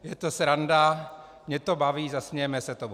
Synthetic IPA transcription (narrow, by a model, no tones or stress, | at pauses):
jɛt̪osɾanda | mɲɛt̪obaviːzasɲɛɛmɛsɛt̪ob